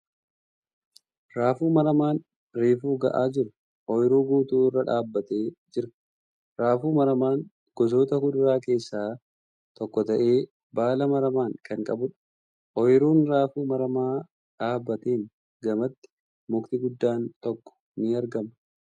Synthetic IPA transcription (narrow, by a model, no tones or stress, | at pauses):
ɾaːfuːmɐɾɐmaːn | ɾiːfuːɡɐ̰ʔaːd͡ʒɪɾʊ | ʔɔjɪɾuːɡuːt̪uːrːɐᶑaːbːɐt̪e̞ːd͡ʒɪɾɐ | ɾaːfuːmɐɾɐmaːŋ | ɡ̥ɔsoːt̪ɐhʊd̪ʊɾaːke̞ːsːaː | t̪ɔkːɔt̪ɐʔe̞ː | baːlɐmɐɾɐmaːŋkɐŋkʼɐbʊᶑ | ʔɔjɪɾuːnɾaːfuːmɐɾɐmaː | ᶑaːbːɐt̪eːn | ɡɐmɐt̪ːɪ̥ | mʊkt̪ɪɡʊd̪ːaːnt̪ɔkːɔ̥nɪɐɾɡɐmɐ̥